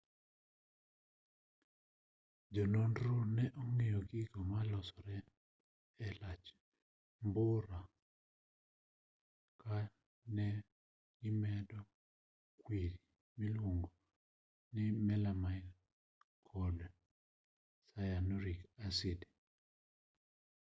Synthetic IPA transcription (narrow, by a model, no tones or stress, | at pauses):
d͡ʒɔlondɾonɛʔɔŋejɔɡiɡɔmalɔsɔɾɛ | ɛlat͡ʃ | mbʊɾa | ka | nɛ | ɡɪmɛdɔ | kwiɾi | milwoŋɡo | nɪmɛlamai | kʰɔd | sajanɔɾikasɪde